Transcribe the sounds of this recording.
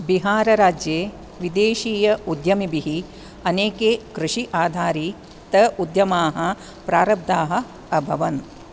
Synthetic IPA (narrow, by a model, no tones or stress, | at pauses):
biɦaːɾɐɾaːd͡ʒjeː | ʋid̪eːʃiːjɐud̪jɐmibiɦi | ɐneːkeːkɾɪʂiʔaːd̪ʱaːɾiː | t̪ɐud̪jɐmaːɦɐ | pɾaːɾɐb̚d̪aːɦɐ̆ | ɐbʱɐʋɐn